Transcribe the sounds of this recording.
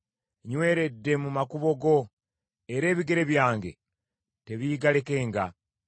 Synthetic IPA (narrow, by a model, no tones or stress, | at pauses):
ɲwe̞ːɾe̞dːemumakuβo̞ɡo̞ | eɾe̞ːβiɡe̞ɾe̞βjaːŋɡe̞̰ | te̞βiːɡale̞ke̞ːŋɡa̰